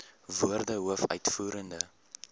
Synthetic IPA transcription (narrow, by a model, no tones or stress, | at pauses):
vuərdəɦuəfœ̰ɥtfuːɾəndə